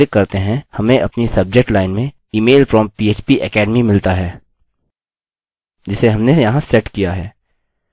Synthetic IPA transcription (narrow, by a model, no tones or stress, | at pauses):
ɪkːɐɾt̪eɦɛ̃hɐmẽʔɐpnisɐb̚d͡ʒek̚ʈlaːɪnmẽ | iːmeːlfɾɔmpiːeːt͡ʃpiʔɛkɛːɖmimɪlt̪aɦɛː | d͡ʒɪseɦɐmnejɐɦãsɛʈkijaɦɛː